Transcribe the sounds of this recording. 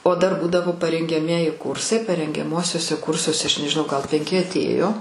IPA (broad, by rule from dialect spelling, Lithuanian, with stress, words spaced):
oː ˈdɐr ˈbuːdɐʋoː pɐrʲɛŋʲɡʲɛˈmʲiɛjɪ ˈkʊrsɐɪ pɐrʲɛŋʲɡʲɛˈmuɔsʲuɔsʲɛ ˈkʊrsuɔsʲɛ ˈɐʃ nʲɛʒʲɪˈnɐʊ ˈɡɐlˠ pʲɛŋʲˈkʲɪ ɐtʲˈeːjoː